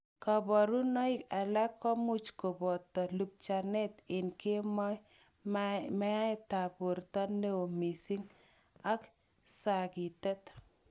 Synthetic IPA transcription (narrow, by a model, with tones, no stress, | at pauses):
ka˨bɔ˨ɾu˦nɔ˦i˦ka˨la˦kɔ˦mu˦t͡ʃko˨bɔ˨tɔ˨lu˨p̚t͡ʃa˨nɛ˦tɪ˨nke˦mɔ˦j | mɛ˦a˦ɪ˦ta˨bu˨ɾtɔ˦nːe˦o˨mi˨si˦ŋ | a˦k | sa˨ki˨tɛ˦t